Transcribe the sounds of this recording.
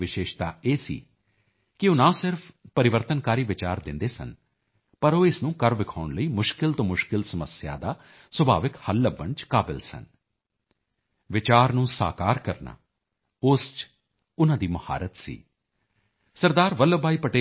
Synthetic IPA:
ʋɪʃeːʃt̪a̰ːeːsḭː | kɪʊnãːsɪɾfʰpəɾɪʋəɾt̪ənkaːɾiːʋɪt͡ʃaːɾd̪ɪ̃nd̪eːsə̰n | pəɾoːɪsnũːkəɾʋɪkʰaːʊɳləiːmʊʃkɪlt̪õːmʊʃkɪlsəməsja̰ːd̪aː | swəbʱa̰ːʋɪkhəlːəbənt͡ʃkaːbɪ̰lsə̰n | ʋɪt͡ʃaːɾnũːsa̰ːkaːɾkəɾna̰ː | ʊːst͡ʃ | ʊnãːd̪iːməha̰ːɾət̪sḭː | səɾd̪aːɾʋəlːəbʱaːiːpəʈeː

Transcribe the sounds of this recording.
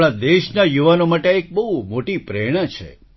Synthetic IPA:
ɭ̃ãd̪eʃnajuʋanomaʈeek̚bəɦumoʈipɾeɽ̃at͡ʃʰḛ

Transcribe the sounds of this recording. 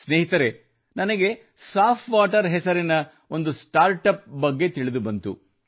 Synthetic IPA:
sneːɦit̪ɐɾe̞ | nɐnɐɡe̞ | saːpʰʋaːʈɐɾɦɛsɐɾinɐ | o̞nd̪usʈaːɾʈɐp̚bɐɡːe̞t̪iɭid̪ubɐnt̪ṵ

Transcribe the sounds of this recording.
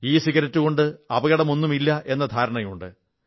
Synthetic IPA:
iːsiɣɐɾɐtːuɣo̞ɳɖɨɐbɐɣɐɽɐmo̞nːumilːɐʔe̞nːɐd̪ʱaːɾɐɳɐjuɳɖɨ

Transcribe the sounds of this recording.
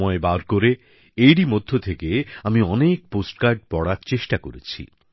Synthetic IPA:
mɔebaɾkoɾe | ejɾimod̪ʱːot̪ʰekeamiɔnek̚posʈkaɾɖ̚pɔɽaɾt͡ɕeʃʈakoɾet͡ɕʰḭ

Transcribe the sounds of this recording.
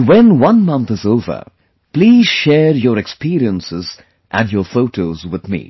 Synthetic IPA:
wɛ̃nwʌ̃nmʌ̃nt̪ɨzoʊvə̰˞ | pliːz̥ʃɛːɾjɔɾɛkspiɾiə̃nsɪz | ʔæ̃njɔːfoʊʈʰoːzwɪðmḭː

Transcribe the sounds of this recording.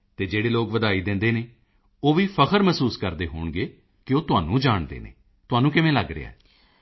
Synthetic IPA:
t̪eːd͡ʒeːɽeːloːkʋəd̪aːiːd̪ɪ̃nd̪eːneː | oːʋiːpʰəkʰəɾməsuːskəɾd̪eːɦo̰ːɳɡeː | kɪoːt̪ʊaːnũːd͡ʒaːɳd̪ḛːnḛː | t̪ʊaːnũːkɪʋẽːləɡɾɪ̰ːa̰ːɛː

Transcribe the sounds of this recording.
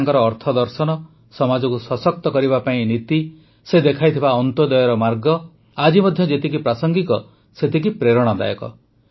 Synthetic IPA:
ŋkɔɾɔːɾt̪ʰɔd̪ɔɾsɔnɔ | sɔmad͡ʒɔkusɔsɔk̚t̪ɔkɔɾiβapaĩnit̪i | sed̪ekʰajt̪ʰibaɔnt̪od̪ɔjɔɾɔmaɾɡɔ | ad͡ʒimɔd̪ʱjɔd͡ʒet̪ikipɾasɔŋɡikɔ | set̪ik̬ipɾeɾɔɽ̃ɔd̪a̰jɔ̰kɔ̰

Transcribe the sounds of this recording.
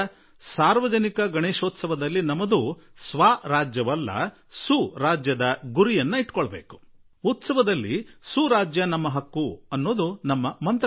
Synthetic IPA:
saːɾʋɐd͡ʒɐnikɐɡɐɳeːʂoːt̪sɐʋɐd̪ɐlːinɐmɐd̪usʋaːɾaːd͡ʒjɐʋɐlːɐ̰ | suɾaːd͡ʒjɐd̪ɐɡuɾijɐnːɐiʈkɔɭɐbeːku̥ | ut̪sɐʋɐd̪ɐlːḭsuɾaːd͡ʒjɐnɐmːɐɦɐkːuɐnːoːd̪unɐmːɐmɐnt̪

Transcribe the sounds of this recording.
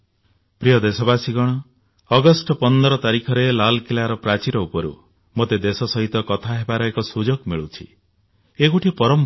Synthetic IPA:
pɾijɔd̪esɔbasiɡɔɽ̃ɔː | ɡɔsʈɔpɔnd̪ɔɾɔt̪aɾikʰɔɾelalkilaɾɔpɾat͡ʃiɾɔupɔɾṵ | mot̪ed̪esɔsɔɦit̪ɔkɔt̪ʰaɦebaɾɔekɔsud͡ʒoɡmiɭut͡ʃʰḭ | ekuʈʰipɔɾɔm

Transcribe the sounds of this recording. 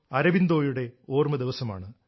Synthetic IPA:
ɐɾɐʋind̪o̞ːjuɽe̞o̞ːrmɐd̪iʋɐsɐma̰ːɳɨ

